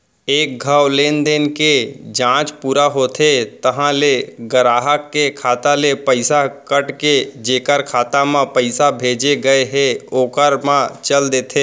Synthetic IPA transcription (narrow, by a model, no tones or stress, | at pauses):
eːk̚ɡʱəwleːnd̪eːnked͡ʒãːt͡ʃpuːɾaɦoːt̪ʰet̪əɦãleɡəɾaːɦəkːekʰaːt̪alepəɪsakəʈked͡ʒeːkəɾkʰaːt̪amãpəɪsabʱeːd͡ʒeɡɐeɦẽoːkəɾmãt͡ʃəld̪eːt̪ʰeː